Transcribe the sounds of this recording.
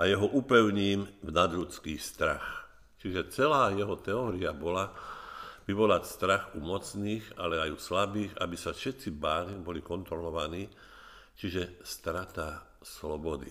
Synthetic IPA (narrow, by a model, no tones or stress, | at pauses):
ʔajɛɦɔʔupɛʊɲiːmvnad̪ʎut͡skiːst̪ɾa̰x | t͡ʃiʒɛt͡sɛlaːjɛɦɔt̪ɛɔːɾiabɔla | ʋiʋɔlast̪ɾaxumɔt͡sniːɣalɛajuslabiːɣa̰bisafʃɛt̪t͡sibaːlibɔlikɔnt̪ɾɔlɔʋaniː | t͡ʃiʒɛst̪ɾat̪a | slɔbɔd̪ḭ